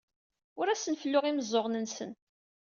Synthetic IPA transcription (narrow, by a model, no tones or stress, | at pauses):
ʊɾæsənfəlːʊʁiməzˤːoʁnənsən